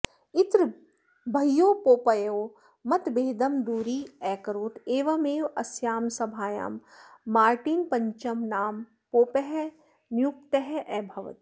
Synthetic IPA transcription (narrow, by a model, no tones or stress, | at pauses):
ɪt̪ɾ | bʱɐjːoːpoːpɐjoː | mɐt̪beːd̪ɐmd̪uːɾiːɛːkɐɾoːt̪eːʋɐmeːʋɐsjaːmsɐbʱaːja̰ːmːaːɾʈiːnpɐɲt͡ʃɐmnaːm | poːpɛɦɛ | njuk̚t̪ɐɦɛʔɛːbʱɐʋɐ̰t̪